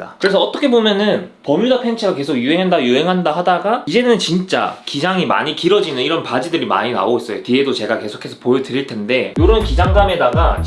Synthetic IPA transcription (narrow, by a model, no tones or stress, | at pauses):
akɯɾe̞sʰʌːt͈ʌkʰe̞bomjʌnɯnpʌmudapʰe̞nt͡ɕʰiɡake̞sʰoɡjuɦe̞ŋɦandajuɦe̞ŋɦandaɦadaɡaid͡ʑe̞nɯnt͡ɕint͡ɕ͈a̰kid͡ʑaŋima̰ɲikiɾʌd͡ʑinɯniɾʌnpad͡ʑidɯɾima̰ɲina̰ois͈ʌjotie̞dot͡ɕe̞ɡake̞sʰokʰe̞sʰʌpojʌdɯɾiɭtʰe̞nde̞joɾʌnkid͡ʑaŋdame̞daɡa